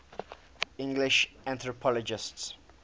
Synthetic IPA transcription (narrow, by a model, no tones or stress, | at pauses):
ɪ̃ŋɡlɪʃãnt̪ɹɔpʰɔlɔd͡ʒɪsts